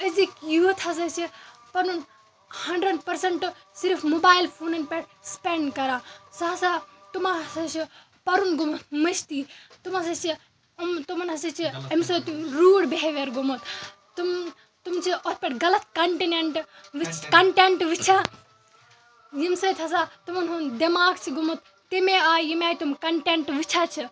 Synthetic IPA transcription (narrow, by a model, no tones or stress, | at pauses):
əzikiʋot̪ʰas̬ɐt͡ʃʰipɐnun | hɐɳɖɾeɖ̪pɐɾsɐɳʈ | siɾpʰmobaːjlpʰuːnɐnpeʈspeɳɖkɐɾãːsasat̪umasɐt͡ʃʰi | pɐɾunɡomot̪mɐst̪it̪umasɐt͡ʃʰi | ɐmt̪umɐnɐsɐt͡ʃʰiɐmsɐt̪uɾuːɽbeɦeʋeɾɡumut̪ | t̪um | t̪umt͡ʃʰiot̪̚pʲeʈɡɐlɐt̪̚kɐɳʈineɳʈʋɨt͡ʃʰkɐɳʈeɳʈʋɨt͡ʃʰa | jimsɐt̪ʰʲɐsat̪umɐnɦund̪emaːɡt͡ʃʰiɡumut̪ːemeaːjimaːjt̪umkɐɳʈeɳʈʋɨt͡ʃʰat͡ʃʰi